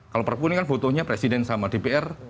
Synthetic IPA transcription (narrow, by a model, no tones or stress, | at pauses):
kalopərpunikanfot̪ɔhɲapɾesidɛnsamadepeɛr